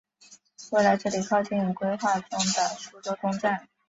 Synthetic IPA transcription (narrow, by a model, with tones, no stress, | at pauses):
we˥˩ɪla˧˥ɪʈ͡ʂɤ˥˩li˨˩kʰɑ˥˧ʊt͡ɕi˥˩ŋy˨˩kwe˥ɪxwa˥˩ʈ͡ʂʊ˥ŋd̪ə˧ʂu˧˥ʈ͡ʂ̪ɔ˥kʊ˥ŋʈ͡ʂa˥˩n